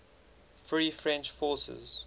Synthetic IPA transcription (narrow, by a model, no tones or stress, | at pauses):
fɹiːfɹɛ̃nt͡ʃfɔːˑsə̰z